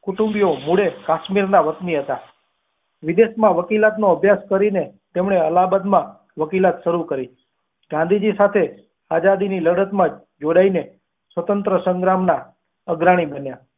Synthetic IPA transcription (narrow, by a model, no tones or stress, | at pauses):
kuʈũmbijomuɽekaʃmiɾnaʋət̪niɦət̪a | ʋɪd̪eʃmãʋəkilat̪noəbʱjaskəɾinet̪emɳ̃eəlabəd̪mã | ʋəkilat̪ʃəɾukəɾi | ɡãnd̪id͡ʒisat̪ʰe | ad͡ʒad̪iniləɽət̪mã | d͡ʒoɽaine | sʋət̪ənt̪ɾəsəŋɡɾamna | əɡɾaɽ̃ibənja